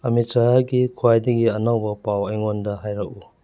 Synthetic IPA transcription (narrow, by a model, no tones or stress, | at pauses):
ɐmit͡ʃaɾaɡikʰuajdɐɡiɐnaŋbɐpawɐjŋondɐɦajɾɐku